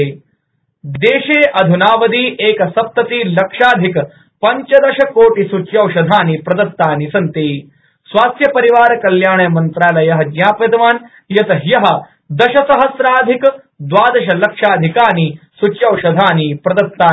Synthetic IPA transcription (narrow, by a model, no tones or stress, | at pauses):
d̪eːɕeːʔɐd̪ʱunaːʋɐd̪iːʔeːkɐsɐp̚t̪ɐt̪iːlɐkʂaːd̪ʱik | pɐɲt͡ʃɐd̪ɐʃɐkoːʈisut͡ʃjɐwʃɐd̪ʱaːnipɾɐd̪ɐt̪ːaːnisɐnt̪iː | sʋaːst̪jɐpɐɾiʋaːɾkɐljaːɳɐjɐmɐnt̪ɾaːlajɐɦɐd͡ʒjaːped̪ʋaːn | jɐt̪ɐjɐɦɐ̆ | d̪ɐʃɐsɐɦɐsɾaːd̪ʱik | d̪ʋaːd̪ɐʃɐlɐkʂaːd̪ʱikaːni | sut͡ʃjɐwʃɐd̪ʱaːniːpɾɐd̪ɐt̪ːaː